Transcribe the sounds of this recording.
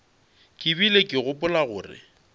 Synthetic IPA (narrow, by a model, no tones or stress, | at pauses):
kʼɪbilekʼɪɣʊpʼʊlaɣʊ̰ːrɪ̰